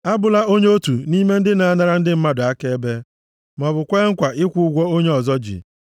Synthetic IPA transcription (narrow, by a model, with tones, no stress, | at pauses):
a˦bʊ˨la˦o˦ɲe˦o˦tu˨ni˦me˦n̩˦dɪ˦na˨a˦na˦ɾa˦n̩˦dɪ˦m̩˦ma˦dʊ˨a˦ke˦e˦be˦ | mɔ˨bʊ˨kʷe˦ŋ̩˦kʷa˨ʔɪ˦kʷʊ˦ʊ˦ɡʷɔ˦o˦ɲe˦ɔ˨zɔ˦d͡ʒḭ˨